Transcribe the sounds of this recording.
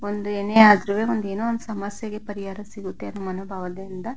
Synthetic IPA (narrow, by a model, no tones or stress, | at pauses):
ond̪ueːneaːd̪ɾuʋe̞ːond̪e̞ːnuond̪usɐmɐsjeɡepɐɾiɦaːɾɐsiɡut̪ːe̞ɐnːumɐnuːbʱaːʋɐd̪ind̪ɐ